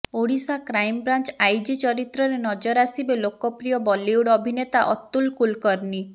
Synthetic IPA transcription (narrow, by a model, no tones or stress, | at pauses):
oɽisakɾajmbɾant͡ʃajd͡ʒit͡ʃɔɾit̪ɾɔɾenɔd͡ʒɔɾasibelokɔpɾijɔbɔliwɽɔbʱinet̪aʔɔ̰t̪ːulkulkɔɾni